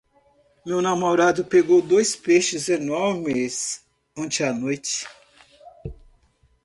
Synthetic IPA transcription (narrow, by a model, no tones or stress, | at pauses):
mewnamoɾad̪ʊpeɡowd̪ojspeʃɪzenɔɾmɪs | õt͡ʃɪanojt͡ʃɪ̥